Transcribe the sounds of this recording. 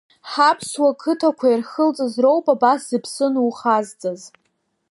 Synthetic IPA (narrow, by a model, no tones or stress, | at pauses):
ħapʰswakʰɨtʰakʷʰajirχəlt͡sʼazro̞wpʼabaszɨpʰsɨnuχazt͡sʼaz